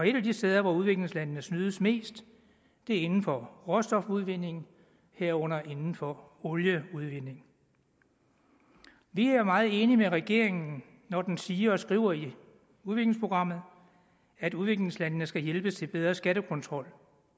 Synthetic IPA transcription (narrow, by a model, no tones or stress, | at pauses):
ɒ̽e̝ɾæd̥isd̥eːð̞ˠɐʋɑuð̞ˠʋe̝ɡ̥le̝ŋslænnəsnyːð̞ˠəsme̝̰ːsd̥ː | e̝ɐe̝nn̩fɒ̽ʁɔsd̥ɒ̽fuð̞ˠʋe̝n̰e̝ŋ | heɐ̰ɔ̽n̰ɐʔe̝nn̩fɒ | oljəuð̞ˠʋe̝n̰e̝ŋ | ʋiæɐmɑ̈ːð̩ˠe̝ːnimeʁɛɡ̥e̝ɐ̰eŋn̩ | nɒd̥ensiːɐɒ̽sɡ̥ʁḭʊ̰ɐi | uðʋe̝ɡ̥le̝ŋspʰo̝ɡ̥ʁɑ̈m̰ð̞̩ˠ | æd̥uðˠʋe̝ɡ̥le̝ŋslænənəsɡ̥æjelb̥əst͡sʰe̝lb̥eð̞ˠʁɐsɡ̥æɾəkʰɔ̽nt͡sʰʁɒ̽l̰